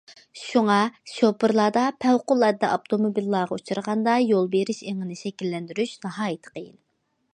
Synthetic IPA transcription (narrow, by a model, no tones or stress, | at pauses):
ʃuŋɑʃopɨɾlˠɑd̪ɑpʰɛwqʊlˠɛd̪ːɛʔɑp̚t̪ʰomobilˠːɑːʁɑut͡ʃʰuɾʁɑnd̪ɑjolˠbeɾɪʃeŋɪnɪʃɛkʲilːɛnd̪yɾyʃnɑɦɑːjit̪ʰə̥qʰəjḭn